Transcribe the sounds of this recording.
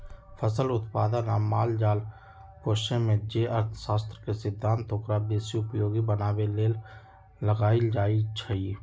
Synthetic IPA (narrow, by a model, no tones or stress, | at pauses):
fʰəsəlʊt̪paːd̪ənaːmaːld͡ʒaːl | poːʃemẽd͡ʒeʔəɾt̪ʰsaːst̪ɾəkesɪbd̪ʱːãːnt̪okɾabeːsiʊpjoːɡibənaːweleːlː | əɡaːid͡ʒaːit͡ʃʰəiː